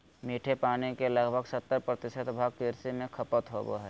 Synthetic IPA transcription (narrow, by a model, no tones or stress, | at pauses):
miːʈʰepaːnikelɐɡbʱəɡsət̪ːəɾpɾət̪ɪʃət̪bʱaːɡkɪɾsimẽkʰɐpət̪ɦo̰bo̰ɦɛː